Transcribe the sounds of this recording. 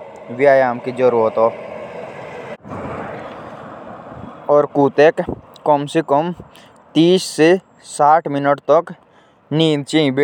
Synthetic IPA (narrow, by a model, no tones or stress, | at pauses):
ʋjaːjaːmkid͡ʒəɾuːɾət̪ɦoː | ɔːɾkuːt̪eːkːɔmsekɔm | t̪iːsse | saːʈʰmɪnəʈt̪ək | niːnt͡ʃĩbi